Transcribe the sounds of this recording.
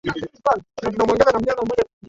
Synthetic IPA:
alnat̬unamwɛŋɡananam̩uɲakamɔʄak

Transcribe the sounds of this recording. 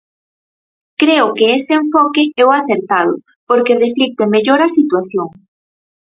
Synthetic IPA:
kɾeʊkeeseeɱfɔkeɛwaθeɾt̪að̞ʊ̰ | poɾkereflik̚t̪emeʎoɾɐsit̪waθjoŋ

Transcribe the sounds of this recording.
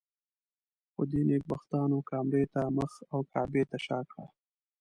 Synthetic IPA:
xo̰d̪enek̚baxt̪ɑːnokɑːmɾet̪aməxawkʰɑːbet̪aʃɑːkɽa̰

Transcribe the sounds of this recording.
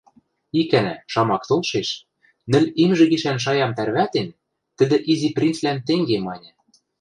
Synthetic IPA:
ikænæ̰ʃɑmɑkt̪olˠʃeʃ | nɘ̆lʲimʒɘ̆ɡiʃænʃ̬ɑjɑmt̪ærβæt̪en | t̪ɘ̆d̪ɘ̆ʔiziprʲint͡slænt̪eŋɡemɑnʲɤ̆

